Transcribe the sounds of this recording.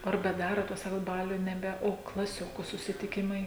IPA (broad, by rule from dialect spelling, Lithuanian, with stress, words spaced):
ɐr bʲɛˈdɑːroːt ˈtuɔs ˈsɑːkoːt ˈbɑːlʲʊ nʲɛˈbʲɛ oː klˠɐˈsʲoːkʊ sʊsʲɪtʲɪˈkʲɪmɐɪ